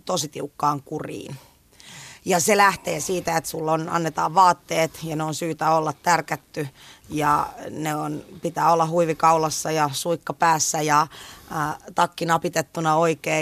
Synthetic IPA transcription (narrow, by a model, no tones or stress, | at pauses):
t̪osit̪iukːɑːŋkurḭːn | jɑselæht̪eːsiːt̪æet̪sulːonɑ̰nːet̪ɑːʋʋɑːt̪ːeːt̪jɑneonsyːt̪æolːɑt̪t̪ærkæt̪ːyjɑneonpit̪æːolːɑhuiʋikɑulɑsːɑjɑsuikːɑpæːsːæjɑ | t̪ɑkːinɑpit̪et̪ːunɑoikeː